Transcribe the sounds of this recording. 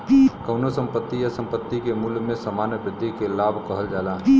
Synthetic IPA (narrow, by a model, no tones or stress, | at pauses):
ikɐʊnosə̃mpət̪ːijasə̃mpət̪ːikemulmẽsəmaːnjəbɾɪd̪ʱːikelaːbʱkəɦəld͡ʒaːlaː